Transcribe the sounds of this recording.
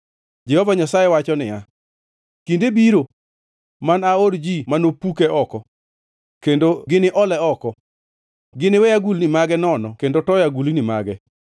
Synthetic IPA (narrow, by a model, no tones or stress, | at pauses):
d͡ʒɛhɔvaɲasajɛwat͡ʃɔnɪja | kindebiɾo | manaoɾd͡ʒimanopukɛʔɔkɔ | kendoɡɪnɪʔɔlɛɔkɔ | ɡɪnɪwɛjaɡulnɪmaɡɛnɔnɔkendotɔjaɡulinɪma̰ɡɛ